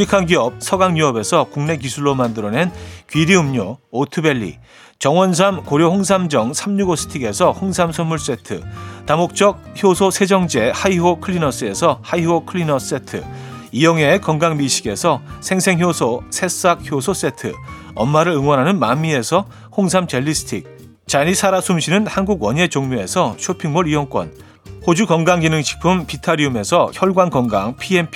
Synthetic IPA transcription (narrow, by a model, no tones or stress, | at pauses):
ikʰaŋɡiʌp̚sʰʌɡaŋɲuʌbe̞sʰʌkuŋne̞k̬isʰuɭːomandɯɾʌne̞nkɥiɾiɯmɲoːtʰɯbe̞ʎːḭ | t͡ɕʌŋwʌnsʰamkoɾjohoŋs̬ʰamd͡ʑʌŋsʰamɲuɡosʰɯ̥tʰiɡe̞sʰʌhoŋsʰamsʰʌnmuɭs͈e̞tʰɯ̰tamok̚t͡ɕ͈ʌk̚çjosʰosʰe̞d͡ʑʌŋd͡ʑe̞haiɦokʰɯɭːinʌs͈ɯe̞sʰʌhaiɦokʰɯɭinʌs͈e̞tʰɯ̰ijʌŋe̞kʌŋɡaŋmiɕʰiɡe̞sʰʌsʰe̞ŋsʰe̞ŋçjosʰosʰe̞s͈ak̚çjosʰos͈e̞tʰɯ̰ʌnmaɾɯɾɯŋwʌnɦanɯnmamːie̞sʰʌ | hoŋsʰamt͡ɕeʎːisʰɯ̥tʰik̚ | t͡ɕaɾisʰaɾasʰumɕʰinɯnhanɡuɡwʌɲe̞t͡ɕoŋmoe̞sʰʌɕʰopʰiŋmuɾiwʌŋk͈wʌ̰n | hod͡ʑukʌŋɡaŋɡinɯŋɕʰi̥pʰɯmpitʰaɾiume̞sʰʌçjʌɭɡwankʌŋɡa̰ŋpʰie̞mpʰi